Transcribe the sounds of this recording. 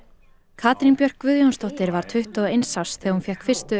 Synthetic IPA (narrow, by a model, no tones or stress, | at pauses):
kʰaːt̪ɾinpjœr̥kvʏðjownst̪ɔht̪ɪɾvaɾ̥t̪ʰʏht̪ɔɣejnsawsθɛɣhunfjɛhkfɪr̥st̪ʏ